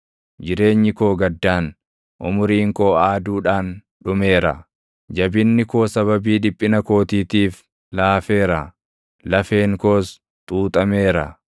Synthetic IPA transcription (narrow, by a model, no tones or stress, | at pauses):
d͡ʒɪɾe̞ːɲːɪko̞ːɡɐd̪ːaːn | ʔʊmʊɾiːŋkoːaːd̪uːᶑaːn | ᶑʊme̞ːɾɐ̰ | d͡ʒɐbɪnːɪko̞ːsɐβɐbiːᶑɪpʼːɪnɐko̞ːt̪iːt̪iːf | laːfe̞ːɾɐ | lɐfe̞ːŋko̞ːs | t̪ʼuːt̪ʼɐme̞ːɾɐ̰